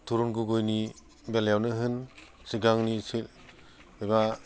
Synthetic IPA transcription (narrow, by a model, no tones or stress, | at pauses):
tʰuɾunɡuɡojni | beljawnɯɦɯn | siɡaŋnisil | eba